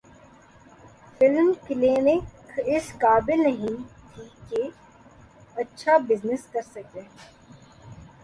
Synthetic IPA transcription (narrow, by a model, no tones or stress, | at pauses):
fɪlmkɪleːnɪkɪskaːbɪlnɐɦĩt̪ʰike | ɐtːʃʰabɪznɪskɐɾsɐkeː